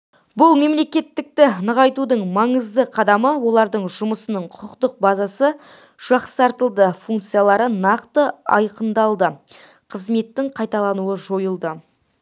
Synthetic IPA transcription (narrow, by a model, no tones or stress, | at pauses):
bʊlˠme̞mle̞kʲe̞t̪ːɪk̚t̪ɪnəʁɑjt̪ud̪əɴmɑɴəzd̪əqʰɑd̪ɑməwo̞lˠɑɾd̪əɴʒʊməsənəɴqʰʊəqt̪əq̚bɑzɑsə | ʒ̥ɑqsɑɾt̪əlˠd̪əfuŋk̚t̪sijalˠɑɾənɑqt̪əɑ̰jqənd̪ɑlˠd̪ə | qʰəzme̞t̪ːɪɴqʰɑjt̪ɑlˠɑnuəʒo̞jəlˠd̪ə